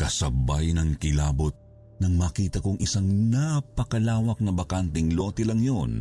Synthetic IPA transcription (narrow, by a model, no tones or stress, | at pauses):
kɐsɐbajnɐŋkɪlaːbot̪̚ | nɐŋmɐːkiːt̪ɐkoŋʔɪsaŋnapɐkɐlaːwɐk̚nɐbɐkant̪ɛŋlo̞ːt̪ɛlɐŋjon